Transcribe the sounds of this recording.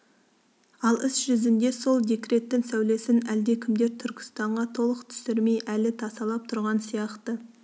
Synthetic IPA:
ɑlˠɪsʒʏzɪnd̪e̞so̞lˠd̪e̞kɾe̞t̪ːɪŋsæwle̞sɪnæld̪ekʲʰɪmd̪e̞ɾt̪ʰʏɾkʲʰɪ̥st̪ɑɴʁɑt̪ʰo̞lˠəqt̪ʰʏ̥sɪɾme̞jʔælɪt̪ʰɑsɑlˠɑp̚t̪ʰʊɾʁɑnsijɑqt̪ə

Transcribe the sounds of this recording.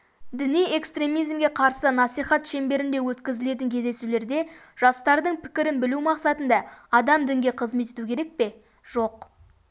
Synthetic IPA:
d̪ɪnije̞kst̪ɾe̞mijzmɡʲe̞qʰɑɾsənɑsijχɑt̪ʃe̞mbe̞ɾɪnd̪e̞wɵt̪kʲɪzɪle̞t̪ɪŋkʲʰe̞zd̪e̞sule̞ɾd̪e̞ | ʒ̥ɑst̪ɑɾd̪əɴpʰɪ̥kʲɪɾɪnbɪlumɑqsɑt̪ənd̪ɑːd̪ɑmd̪ɪŋɡʲe̞qʰəzme̞t̪e̞t̪ukʲʰe̞ɾe̞k̚pe̞ | ʒ̥o̞q

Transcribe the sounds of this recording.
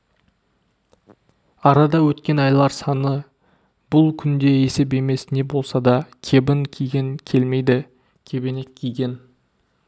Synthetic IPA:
ɑɾɑd̪ɑwɵt̪kʲe̞nɑjlˠɑɾsɑnə | b̥ʊlˠkʲʰʏnd̪e̞e̞se̞p̬e̞me̞sne̞bo̞lˠsɑd̪ɑkʲʰe̞bɪŋkʲʰijɡʲeŋkʲʰe̞lme̞jd̪ɪ | kʲʰe̞bɪnekʲʰːijɡʲe̞n

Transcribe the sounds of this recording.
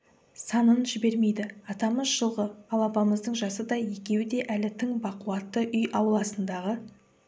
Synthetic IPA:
sɑnənʒɪbe̞ɾme̞jd̪ɪɑt̪ɑməzʒəlˠʁəɑlˠɑpɑməzd̪əɴʒɑsəd̪ɑjje̞kʲe̞wɪd̪e̞ʔælɪt̪ʰɪŋbɑquɑt̪ːəʔʏjʔɑwlˠɑsənd̪ɑʁə

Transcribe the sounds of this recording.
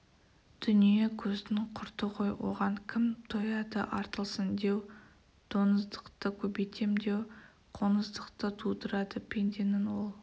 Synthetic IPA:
d̪̥ʏnije̞kʲʰɵznɪɴqʰʊɾt̪əqʰo̞jwo̞̰ʁɑɴkʲʰɪmt̪ʰojɑd̪əʔɑɾt̪əlˠsənd̪e̞w | d̪̥o̞nəzd̪əqt̪əkʲʰɵbejt̪ʰe̞md̪e̞w | qʰo̞nəzd̪əqt̪ət̪ʰud̪əɾɑd̪əpʲʰend̪ʲenɪnwo̞lˠ

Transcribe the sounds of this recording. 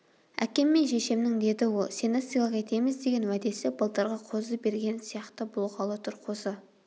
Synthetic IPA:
æ̰kʲe̞mːe̞nʃe̞ʃe̞mnɪŋd̪e̞d̪ɪwolˠsʲenesilˠɑqe̞t̪e̞mɪzd̪eɡʲe̞nwæd̪e̞sɪbəlˠt̪ɑɾʁɑqʰo̞zəbe̞ɾɡʲe̞nsijɑqt̪əbʊlˠqɑlˠət̪ʰʊɾqʰo̞sə

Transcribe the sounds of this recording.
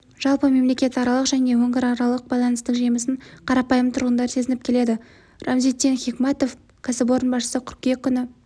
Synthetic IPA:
ʒ̥ɑlˠpəme̞mlekʲe̞t̪ɑɾɑlˠəqʒæne̞wɵŋɡʲɪɾɑɾɑlˠəq̚bɑjlˠɑnəst̪əqʒijməsəɴqʰɑɾɑpɑjəmt̪ʰʊɾʁənd̪ɑɾse̞zɪnɪp̚kʲʰe̞le̞d̪ɪ | rɑmzit̪ːenχʲikmɑt̪o̞f | kʲʰæsɪpo̞ɾənbɑʃəsəkʲʰʏɾkʲe̞kʲʰːʏnɪ

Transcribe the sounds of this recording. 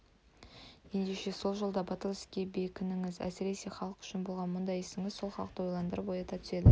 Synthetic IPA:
je̞nd̪e̞ʃe̞so̞lˠʒolˠd̪ɑbɑt̪əlˠɪskʲebe̞kʲʰɪnɪŋɪzæ̰sɪɾe̞se̞χɑlˠəqʏ̥ʃɪnbo̞lˠʁɑnmʊnd̪ɑjesɪŋɪzso̞lˠχɑlˠəq̚t̪əwojlˠɑnd̪əɾəbojɑt̪ɑt̪ʰʏ̥se̞d̪ɪ

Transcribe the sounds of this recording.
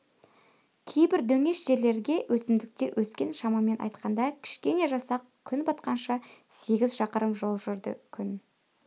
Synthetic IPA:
kʲʰejbɪɾd̪ɵŋe̞ʃʒ̥e̞ɾle̞ɾɡʲe̞wʔɵsɪmd̪ɪk̚t̪e̞ɾwʔɵskʲe̞nʃɑmɑme̞nʔɑ̰jt̪qɑnd̪ɑkʲʰɪ̥ʃkʲe̞ne̞ʒɑsɑq̚ | kʲʰʏnbɑt̪qɑnʃɑse̞ɡʲɪzʃɑqəɾəmʒo̞lˠʒʏɾd̪ɪ̰kʲʰʏn

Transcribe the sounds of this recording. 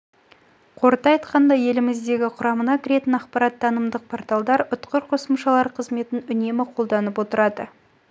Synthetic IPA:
qʰo̞ɾt̪ɑjt̪qɑnd̪ɑje̞lɪmɪzd̪e̞ɡʲɪqʰʊɾɑmənɑkʲʰɪɾe̞t̪ɪnɑqpɑɾɑt̪̚d̪ɑnəmd̪əq̚pʰoɾt̪ɑlˠd̪ɑɾʊt̪qəɾqʰo̞səmʃɑlˠɑɾqʰəzme̞t̪ɪnʏne̞mɪqʰo̞lˠd̪ɑnəpwo̞t̪əɾɑd̪ə

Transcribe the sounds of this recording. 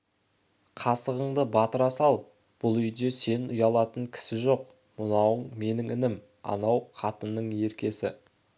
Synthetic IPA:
qʰɑsəʁəɴd̪əbɑt̪əɾɑsɑlˠ | b̥ʊlˠʏjd̪e̞se̞nʊjɑlˠɑt̪əɴkʲʰɪ̥sɪʒo̞q̚ | mʊnɑwəɴme̞nɪŋɪnɪm | ɑ̰nɑwqʰɑt̪ənːəɴe̞ɾkʲe̞sɪ̰

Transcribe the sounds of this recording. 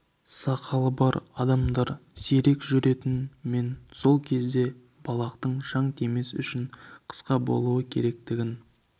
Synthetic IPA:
sɑqʰɑlˠəbɑɾɑd̪ɑmd̪ɑɾse̞ɾe̞kʒʏɾe̞t̪ɪnme̞nso̞lˠkʲʰe̞zd̪e̞ | b̥ɑlˠɑqt̪əɴʃɑɴt̪e̞me̞sʏ̰ʃɪɴqʰə̥sqɑbo̞̰lˠuwəkʲʰe̞̰ɾe̞k̚t̪ɪɡʲɪn

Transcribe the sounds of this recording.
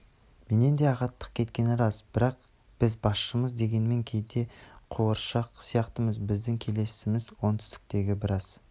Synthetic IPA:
me̞ne̞nd̪e̞ɑʁɑt̪ːə̥q̚kʲʰe̞t̪̚kʲe̞nɪɾɑzbɪɾɑq | b̥ɪzbɑsʃəməzd̪e̞ɡʲe̞nme̞ŋkʲʰe̞jd̪e̞qʰoəɾʃɑqsijɑqt̪əməzbɪzd̪ɪŋkʲʰe̞le̞sɪmɪzwo̞nt̪ʰʏ̥st̪ɪ̥k̚t̪e̞ɡʲɪbɪɾɑz̥

